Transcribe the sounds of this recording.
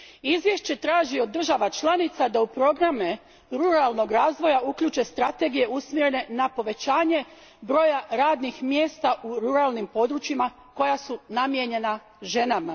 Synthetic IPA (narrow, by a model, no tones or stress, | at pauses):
izʋje̞ʃt͡ɕe̞t̪ɾaːʒiod̪ːr̩ʒaʋat͡ʃlˠanit̪sad̪aupɾo̞ɡɾame | ɾuɾalˠno̞ɡɾaːzʋo̞jaukʎuːt͡ʃe̞st̪ɾat̪e̞ɡije̞usmjeɾe̞ne̞napo̞ʋe̞t͡ɕaːɲe̞ | bɾo̞ːjaɾaːd̪nixmjeːst̪aʔuɾuɾalˠnimpo̞d̪ɾut͡ʃima | ko̞jasunamje̞ɲe̞na | ʒe̞nama